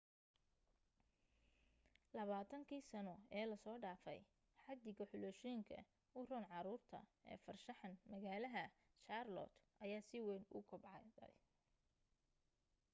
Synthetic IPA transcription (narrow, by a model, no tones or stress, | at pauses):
lɐβaːt̪ʰɐŋkʰiːsɐnɔɛːlɐsɔːɖaːfɛ̰j | ħɑd̪ɪɣɐħʊlɔʃɔŋkʰɐ̰ | ʊrɔːnʕɑɾuːrt̪ʰɐ̰ɛ̰ːfɐrʃɐħɑnmɐɣaːlɐɦɐʃarlɔ̰t̪ʔɐjaːsɪwɛnʊ̰kʰʊbʕɑd̪ɐ̰j